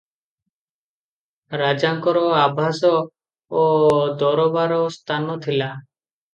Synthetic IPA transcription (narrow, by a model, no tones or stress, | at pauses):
ɾad͡ʒaŋkɔɾɔabʱasɔː | d̪ɔɾɔbaɾɔst̪ʰanɔt̪ʰila